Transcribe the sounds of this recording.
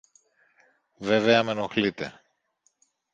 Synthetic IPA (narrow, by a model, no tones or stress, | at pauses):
ve̞ve̞ɐme̞noxlit̪e